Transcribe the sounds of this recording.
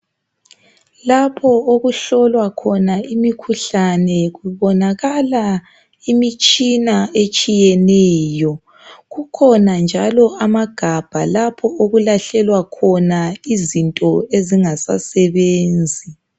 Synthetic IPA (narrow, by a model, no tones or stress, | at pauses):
lapʰɔoɣuɬɔlwakʰɔnaʔimikʰuɬanɛɣuβɔnaɣala | imit͡ʃʼinaet͡ʃʼijɛnɛːjɔ | ɣukʰɔnand͡ʒʱalɔamaɡ̥ʱab̥ʱalapʰɔoɣulaɬɛlwakʰɔnaizintʼɔeziŋasa̰sɛβeːnd͡zʱi